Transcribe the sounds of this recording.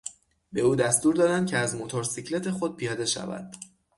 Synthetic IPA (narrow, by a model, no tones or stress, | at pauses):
be̞uːd̪æst̪uːɾd̪ɒːd̪ænd̪̚cʰeæzmot̪ʰoɾsicʰle̞t̪ʰe̞xo̞d̪̚pʰijɒːd̪e̞ʃæ̰væ̰d̪̥